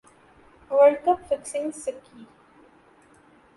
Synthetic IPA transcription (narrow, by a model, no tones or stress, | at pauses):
ʋəɭkəpfɪksɪ̃ŋsɪkːiː